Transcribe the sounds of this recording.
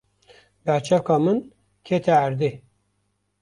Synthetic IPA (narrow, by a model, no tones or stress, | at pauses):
bæɾt͡ʃʰɛkɑːmɨn | kʰet̪ʰɛæɾd̪e